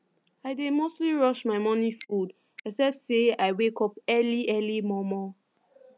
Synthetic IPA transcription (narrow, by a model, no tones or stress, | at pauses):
aɪdemostliɹɔʃmaɪmɔnifud | ɛksɛp̚tseaɪwekɔpɛliʔɛlimɔmɔ